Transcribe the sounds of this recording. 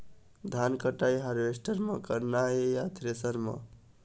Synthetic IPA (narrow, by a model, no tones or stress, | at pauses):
d̪ʱankəʈajɦʌɾʋesʈəɾmʌkəɾnaejat̪ʰɾesəɾmʌ̰